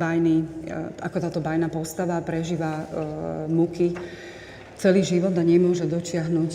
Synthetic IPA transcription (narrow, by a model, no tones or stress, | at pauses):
bajniakɔt̪aːt̪ɔbajnapɔst̪aʋapɾɛʒiːʋa | muki | t͡sɛliːʒiʋɔd̪aɲɛmʊɔʒɛd̪ɔt͡ʃɪaɦnuc